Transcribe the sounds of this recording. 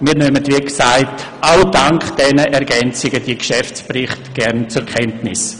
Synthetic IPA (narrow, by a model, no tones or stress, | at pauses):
miːɾnøːmətʋiːksaɪtʔaʊd̥aŋkd̥ɛnəʔɛɾɡɛnt͡sɪɡəd̥iːkʃɛft͡sprɪχtɡ̥ɛʁnt͡sʊɾkʰɛntnɪ̰s